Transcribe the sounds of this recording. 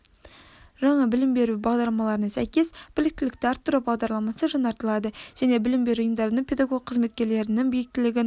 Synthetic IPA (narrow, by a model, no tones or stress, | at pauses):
ʒɑɴɑbɪlɪmbe̞ɾubɑʁd̪ɑɾlˠɑmɑlˠɑɾənɑsæjkʲe̞sb̥ɪlɪk̚t̪ɪlɪk̚t̪ɪɑɾt̪ʰːʊɾɑbɑʁd̪ɑɾlˠɑmɑsəʒɑnɑɾt̪əlˠɑd̪əʒ̥æne̞bɪlɪmbe̞ɾuʊjəmd̪ɑɾd̪əɴpʰʲe̞d̪ɑɡo̞ɡ̚qʰːəzme̞t̪̚kʲe̞ɾle̞ɾɪnɪŋbijɪk̚t̪ɪlɪɡʲɪn